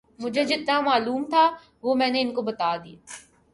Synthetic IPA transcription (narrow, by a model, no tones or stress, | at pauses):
mʊd͡ʒʱed͡ʒɪt̪namaːluːmt̪ʰa | ʋomɛ̃ːneɪnkobɐt̪aːd̪ia̰ː